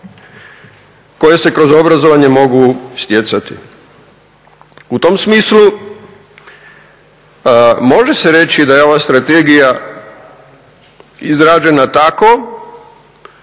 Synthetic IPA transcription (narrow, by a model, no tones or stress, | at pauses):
ko̞je̞se̞kɾo̞zo̞bɾazo̞ʋaɲe̞mo̞ɡust̪ʲje̞t̪sat̪ḭ | ut̪o̞msmiːslu | mo̞ʒe̞se̞ɾe̞t͡ʃid̪ajeo̞ʋast̪ɾat̪eɡija | izɾaːd͡ʒe̞nat̪ako̞